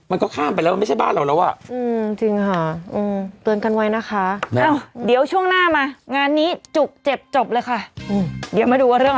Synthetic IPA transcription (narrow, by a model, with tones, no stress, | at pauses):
ma˧nkɔː˥˩kʰaː˥˩mpa˧jlɛ˦˥wa˧ma˥˩t͡ɕʰba̰ː˥˩nɾa˧˩wlɛː˦˥wʔa̰˨˩ʔɯː˧m˧t͡ɕi˧ŋkʰa˦˥˩ʔɯː˧˩mt̪ɯ˧ənka˧nwa˦˥jna˦˥kʰa˦˥ʔaː˧˩wdi˨˩˦əwt͡ɕʰu˥˩əŋnaː˥˩maː˧ŋaː˧nːiː˦˥t͡ɕu˨˩k̚t͡ɕe˨˩p̚t͡ɕo˨˩p̚lɤː˧jkʰa˥˩ʔɯː˧˩di˩˦wmaː˧duː˧waː˧ɾɯ˥˩əŋ